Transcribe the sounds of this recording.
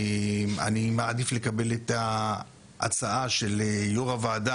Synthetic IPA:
ma̰nimaːdifle̞kabe̞leta | ʔa̰t͡saaʃe̞lejoʁavaːda

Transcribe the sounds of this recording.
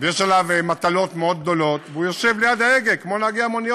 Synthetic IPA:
vejeʃalavmat̪alo̞t̪meod̪̚ɡ̚d̪o̞lo̞t̪veujoʃevlejad̪aeɡekmonaɡiamonijo

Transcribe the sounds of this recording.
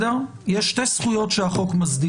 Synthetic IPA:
deʁ | jeʃtesχujo̞tʃeaχo̞kmazdi

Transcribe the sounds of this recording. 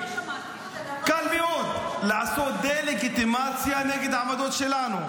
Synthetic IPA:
kɐlmioːt̪laːsoːd̪eːlekit̪imaːd̪sijaːnekit̪amɐd̪oːt̪ʃelaːnu

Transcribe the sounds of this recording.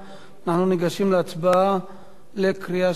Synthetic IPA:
anaχnuniɡaʃimleat͡sbaa | lekʁia

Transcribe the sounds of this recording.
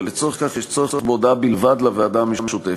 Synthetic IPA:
let͡soeχkaχjɛʃt͡soeobod̪abilvad̪lavead̪amemeʃut̪e

